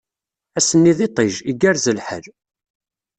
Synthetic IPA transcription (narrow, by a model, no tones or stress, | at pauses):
æsənːiðit̪ˤɪʒiɡæɾzəlħə̰l